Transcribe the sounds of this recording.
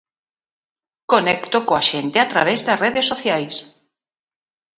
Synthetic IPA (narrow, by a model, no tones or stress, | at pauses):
konekt̪okoaʃent̪eat̪ɾa̰β̞ezðasreðesːoθjajs